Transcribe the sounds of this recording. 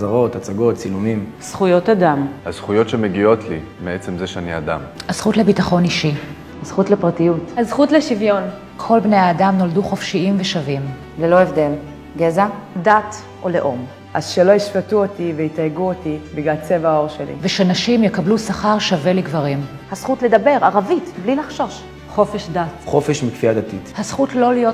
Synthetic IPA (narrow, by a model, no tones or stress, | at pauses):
zaʁo̞tat͡saɡo̞t̚t͡silumim | z̥χujotadamhaz̥χujo̞tʃemeɡio̞tli | meet͡se̞mzeʃaniada̰maz̥χutlebitaχo̞niʃi | hazχutlepʁatijuthazχutleʃivjo̞n | kʰo̞lbnejaːdamno̞lduχo̞fʃiimveʃavim | lelo̞evdel | ɡezadat | ʔoleʔom | ʔazʃelo̞iʃfatuotivejitaɡuotibiɡlalt͡sevao̞ʁʃelḭveʃenaʃimjekablusaχaʁʃaveliɡvaʁim | hasχutledabe̞ʁaʁavitblilaχʃo̞ʃ | χo̞feʃdatχo̞feʃmikfiadatithasχutlo̞lijo̞